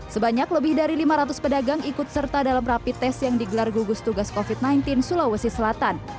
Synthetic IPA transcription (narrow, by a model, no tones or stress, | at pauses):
səbaɲakləbɪhdaɾilimaɾat̪̬ʊspədaɡaŋikʊt̪̚sərt̪adalamrapit̪ɛsjaŋdiɡəlarɡuɡʊst̪uɡaskofit̪̚najnt̪ɪnsulawəsisəlat̪an